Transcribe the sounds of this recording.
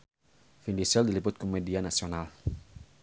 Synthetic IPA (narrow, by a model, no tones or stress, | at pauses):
findisɛldilipʊt̪̚komedianasional